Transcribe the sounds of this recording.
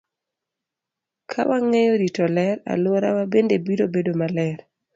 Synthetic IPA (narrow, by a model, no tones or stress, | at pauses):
kʰa̰wʔaŋejoɾitɔlɛɾa̰lwoɾa̰wabendebiɾobedomalɛɾ